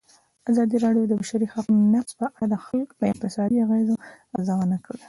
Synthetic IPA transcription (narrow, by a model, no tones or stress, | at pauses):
azɑd̪iɾɑɖijod̪əbaʃaɾixaqunonafspəʔaɽad̪əxalkp̪əɪq̚t̪ɪsɑd̪iaɣezo | azɑwanakəɽa